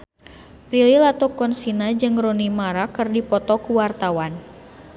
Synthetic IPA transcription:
pɾililat̪ɔkɔnsinad͡ʒɨŋɾonimaɾakɨrdipɔt̪ɔkuwart̪awan

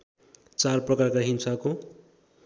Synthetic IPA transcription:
t͡sarprʌkarkaɦimsako

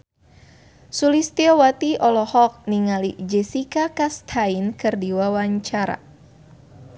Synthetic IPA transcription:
sulist̪iɔwat̪iʔɔlɔhɔk̚niŋalid͡ʒɛsikakast̪ʰainkɨrdiwawaɲt͡ʃaɾa̰

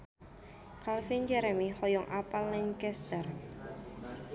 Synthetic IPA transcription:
kalfind͡ʒɛɾɛmihɔjɔŋʔapalːɛɲkɛst̪ər

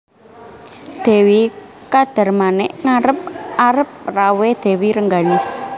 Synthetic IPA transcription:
d̪̥e̤wi | kad̪̥a̤rmanɛʔŋaɾəp̚aɾəp̚rawed̪̥e̤wiɾəŋɡanɪs

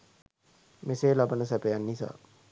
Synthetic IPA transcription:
meseːlabənəs̬æpejanːisa̰ː

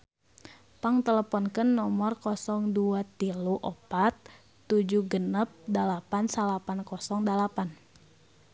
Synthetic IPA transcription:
paŋt̪ələpɔnkənːɔmɔrkɔsɔŋduat̪iluʔɔpat̪ː | ud͡ʒuɡənəp̚dalapansalapankɔsɔŋdalapan

